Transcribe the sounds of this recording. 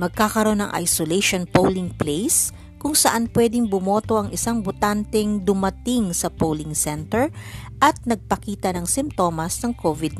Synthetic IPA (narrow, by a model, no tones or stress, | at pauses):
mɐɡ̚kakɐɾo̞nɐŋʔa̰jsoleʃonpowlɪŋplejs | kʊŋsɐʔanpwɛːd̪ɪŋbʊmo̞ːt̪o̞ʔɐŋʔɪsaŋbʊt̪ant̪ɛŋd̪ʊmɐt̪ɪŋsɐpowlɪŋsɛnt̪ɛɹʔɐt̪̚nɐɡ̚pɐkiːt̪ɐnɐŋsɪmt̪o̞ːmɐsnɐŋkʰovɪd̪̚